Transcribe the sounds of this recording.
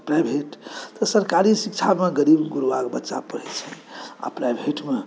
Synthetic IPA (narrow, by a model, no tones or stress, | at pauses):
pɾajbʱeʈt̪ɔsəɾkaɾisik̚t͡ʃʰameɡəɾibɡuɾʋakbətːʃa̰pəɾɛt̪t͡ʃʰɛa̰pɾajbʱeʈme